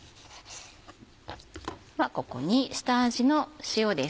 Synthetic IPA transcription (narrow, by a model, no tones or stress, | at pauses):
βako̞ko̞̰ɲ̟isɨ̥t̪aːʑino̞ɕijo̞d̪e